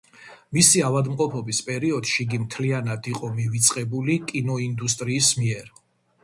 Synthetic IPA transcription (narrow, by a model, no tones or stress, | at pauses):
misiavad̪mqʼɔpʰɔbispʼɛɾiɔd̪̥ʃiɡimt̪ʰlianad̪iqʼɔmivit̪sʼqʼɛbulikʼinɔind̪ust̪ʼɾiːsmiɛɾ